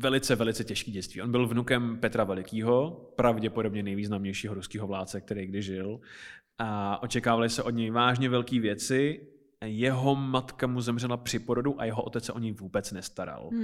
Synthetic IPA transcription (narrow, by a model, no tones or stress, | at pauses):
vɛlɪt͡sɛvɛlɪt͡sɛcɛʃkiːɟɛt͡sst̪vḭːo̞nbɪlvnukɛmpɛt̪ɾavɛlɪkiːɦo̞pɾavɟɛpo̞do̞bɲɛnɛjviːznamɲɛjʃiːɦo̞ɾuskiːɦo̞vlaːt͡sɛk̚t̪ɛɾejɡ̚dɪʒɪlʔaʔo̞t͡ʃɛkaːvalɪsɛʔo̞dɲɛjvaːʒɲɛvɛlkiːvjɛt͡sɪ | jɛɦo̞mat̪kamuzɛmr̝ɛlapr̥ɪpo̞ɾo̞duʔa̰jɛɦoʔo̞t̪ɛt͡ssɛʔo̞ɲɛjvuːbɛt͡snɛst̪aɾa̰l